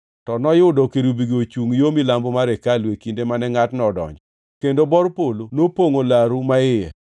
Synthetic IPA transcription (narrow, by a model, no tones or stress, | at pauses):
tɔnɔjʊdɔkeɾubiɡot͡ʃuŋjomilambɔmaɾɛkalwekindemanɛŋatnɔdɔ̰ɲd͡ʒɔ | kendobɔɾpolonopoŋolaɾumaɪjɛ̰